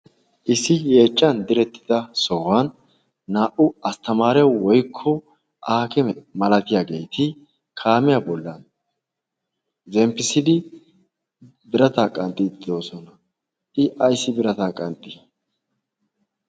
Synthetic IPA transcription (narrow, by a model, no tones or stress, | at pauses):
ʔɪsːɪje̞ːt͡ʃʼːɐnd̪ɪɾɛt̪ːɪ̥d̪ɐsɔwanː | aːʔʊɐst̪ɐmaːɾɛwɔjkʰːɔ | ʔaːkɛmɛmɐlɐt̪ɪjaːɡe̞jt̪ʰɪ | kʰaːmɪjabɔlːɐn | zɛmpːɪsɪd̪ɪ | bɪɾɐt̪aːkʼɐnt̪ʼːɪd̪d̪o̞ːsɔnɐ | ʔɪʔɐjsːɪbɪɾɐt̪akʼɐnt̪ʼːɪ